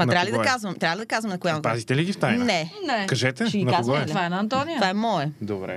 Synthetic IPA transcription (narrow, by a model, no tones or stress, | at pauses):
mɐtnɾabɐlid̪ɐkazvɐmɛt̪ɾablid̪ɐkazvɐmɛnɐkʊjapazit̪ɛliɡʲift̪ajnnɛnɛkɐʒɛt̪ɛiinɐkazɡɔlvajnɐɐnt̪ɔnijəvaɛmɔɛd̪obɾɛ̰